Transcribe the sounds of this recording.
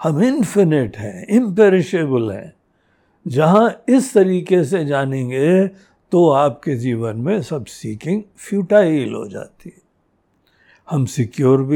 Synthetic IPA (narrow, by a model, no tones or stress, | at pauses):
hɐmɪnfɪnɪʈɦɛ̰̃ɪ̃mpeːɾɪʃeːbəlɦɛ̰̃ː | d͡ʒɐɦãɪst̪ɐɾiːkes̬ed͡ʒaːnẽːŋɡe | t̪oaːp̚ked͡ʒiːʋənmẽsɐbsiːkɪ̃ŋɡ | fʰjuːʈaːilɦo̰d͡ʒa̰ːt̪iɦɛ | hɐmsɪkjoːɾbʱi